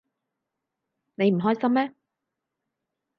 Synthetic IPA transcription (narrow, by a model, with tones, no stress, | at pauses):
ne˨˧jm̩˨˩ɦɔː˥jsɐ˥mmɛː˦˥